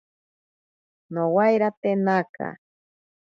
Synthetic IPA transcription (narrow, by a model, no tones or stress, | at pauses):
nowajɾat̪enaka̰